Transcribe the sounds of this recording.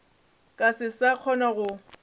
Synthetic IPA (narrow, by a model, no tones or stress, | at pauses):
kʼasɪsaq͡χʰɔnaɣʊ